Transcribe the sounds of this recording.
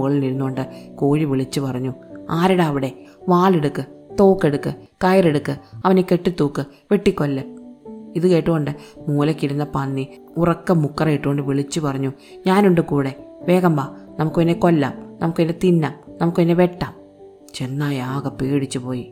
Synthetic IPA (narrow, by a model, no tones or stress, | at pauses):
ɣɐɭiniɾunːuo̞ɳɖɨkoːɻiʋiɭit͡ɕːupɐrɐɲːuaːɾiɽeɐʋiɽe̞ʋaːɭeɽukːɨt̪o̞ːkːe̞ɽukːɨkɐjreɽukːɨɐʋɐneke̞ʈːit̪ːuːkːɨ | ʋeʈːikːo̞lːɨiðɨke̞ːʈːuɣo̞ɳɖɨmuːlɐkːiɾunːɐpɐnːi | urɐkːɐmukːrɐiʈːuɣoɳɖɨʋiɭit͡ɕːupɐrɐɲːu | ɲaːnuɳɖɨkuːɽe̞ʋe̞ːɣɐmbaːnɐmukːoinːeko̞lːa̰ːmnɐmukːɨnːet̪inːaːmnɐmukːɨpnːeʋe̞ʈːaːm | t͡ɕenːaːjaːɣɐpeːɽit͡ɕːupo̞ːji